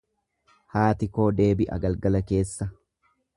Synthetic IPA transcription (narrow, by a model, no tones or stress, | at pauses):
haːt̪ɪko̞ːd̪e̞ːbɪʔɐ̰ɡɐlɡɐlɐke̞ːsːɐ